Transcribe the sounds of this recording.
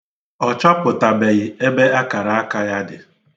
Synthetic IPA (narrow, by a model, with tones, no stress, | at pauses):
ɔ˨t͡ʃɔ˦pʊ˨ta˨be˨ɣɪ˨e˦be˦a˦ka˨ɾa˨a˦ka˦ja˦dɪ˨